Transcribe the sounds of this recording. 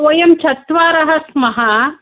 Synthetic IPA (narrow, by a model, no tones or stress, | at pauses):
ʋɐjɐmt͡ʃʰɐt̪ʋaːɾɐɦɐsmɐɦɐ